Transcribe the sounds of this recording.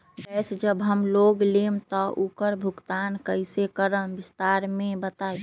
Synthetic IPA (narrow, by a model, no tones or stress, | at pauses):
bɛsʰd͡ʒəbɦəmloɡlemt̪ɔʔukəɾbʱuɡt̪ankəɪsekəɾənbist̪aɾmẽbət̪ai